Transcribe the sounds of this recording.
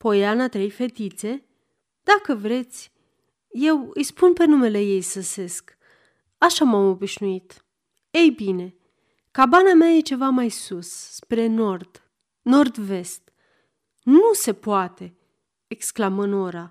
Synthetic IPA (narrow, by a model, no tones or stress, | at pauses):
po̞janat̪ɾe̞jfe̞t̪it̪se̞ | d̪̥akəvɾe̞t̪sʲ | je̞wɨjspunpe̞nume̞le̞je̞jsəse̞sk | aʃamamo̞biʃnuit̪ | e̞jbine̞ | kabanameaje̞t͡ʃe̞vamajsussːpɾe̞no̞rd̪̥ | no̞rd̪ve̞st̪ | nuse̞poat̪e̞ | eksklamɨno̞ɾa